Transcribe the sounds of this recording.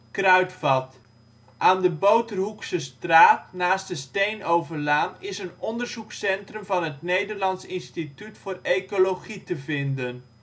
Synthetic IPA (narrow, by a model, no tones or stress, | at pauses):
krœɥtfɑt | ʔaːndəbowtərɦuksəstraːtnaːst̚dəstejnowvərlaːnɪsənɔndərzuksɛntrɵmvɑnɦətnejdərlɑntsɪnstitytfʊːrekolowχitəvɪndən